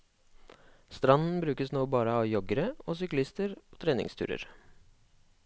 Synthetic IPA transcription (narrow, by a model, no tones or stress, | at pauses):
st̪ɾɑnn̩bɾʉːkəsnoːbɑːɾəɑːʋjɔɡəɾəoːsʏklɪst̪əɾoːt̪ʰɾeːnɪ̰ŋst̪ʰʉ̰ːɾə̰ɾ